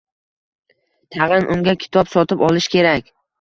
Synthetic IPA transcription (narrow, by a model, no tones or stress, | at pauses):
t̪ʰɑʁɨnʔʊŋɡʲakʲʰɪ̥t̪ʰɒpsɒt̪ʰɪpɒlɪʃkʲʰe̞ɾakʲ